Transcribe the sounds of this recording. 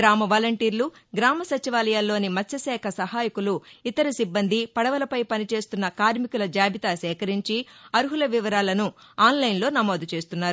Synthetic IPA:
ɾaːmɐʋaːlɐɳʈiːɾluɡɾaːmɐsɐt͡ʃiʋaːlɐjaːlːo̞ːnimɐtʰːɐsɛːkʰɐsɐɦaːjikuluit̪ɐɾɐsibːɐnd̪ʱipɐɽɐʋɐlɐpɐjpɐnit͡ʃe̞ːst̪unːɐkaːɾmikulɐd͡ʒaːbit̪aːsɛːkɐɾiɲt͡ʃiɐɾuɦulɐʋiʋɐɾaːlɐnu | aːnlɐjnlo̞ːnɐmo̞ːd̪ut͡ʃe̞ːst̪unːaːɾu

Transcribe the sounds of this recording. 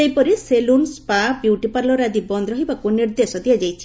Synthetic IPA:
ejpɔɾiselunspabjuʈipaɾlɔɾad̪ibɔnd̪ʱɾɔɦibakuniɾd̪esɔd̪ijad͡ʒajt͡ʃʰi̥

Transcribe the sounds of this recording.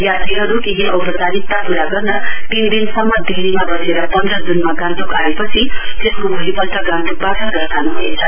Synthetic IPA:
jat̪iɦʌɾukeɦiʌwpʌt̪anit̪ːapuɾaɡʌrnʌt̪ind̪insʌmːʌd̪ʱeɾimabʌseɾʌpʌnd̪rʌd͡zunmaɡãnt̪ukaepʌt͡sʰit̪eskobʱolipʌlt̪ʌɡãnt̪uk̚baʈʌɡʌrt̪anubʱoet͡sʰʌ

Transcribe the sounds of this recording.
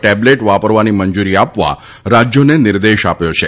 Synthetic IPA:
ʈɛbleʈʋapəɾʋaniməɲd͡ʒuɾiapʋa̰ | ɾad͡ʒjonenɪɾd̪eʃapjot͡ʃʰe

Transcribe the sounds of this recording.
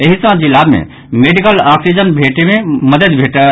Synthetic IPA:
eɦisə̃d͡ʒilabmḛ | meɖikəlɔksid͡ʒənbʱeʈememəd̪əd̪bʱeʈə

